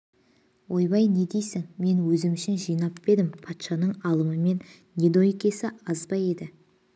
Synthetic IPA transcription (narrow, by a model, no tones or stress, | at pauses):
wʔo̞jbɑjne̞d̪e̞jsɪŋme̞nwɵzɪmʏʃɪnʒijnɑpbe̞d̪ɪmpʰɑt̪ʃɑnəɴɑlˠəməme̞nːʲ | ed̪ojekʲe̞sɪɑzbɑje̞d̪ɪ